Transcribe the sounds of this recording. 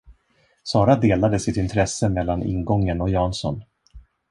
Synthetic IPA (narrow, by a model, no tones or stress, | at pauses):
sɑːɾad̪eːlad̪əsɪt̪ɪnt̪ʰɾɛsːəmɛlːanɪ̰nɡɔŋːənɔjɑːnsɔ̰n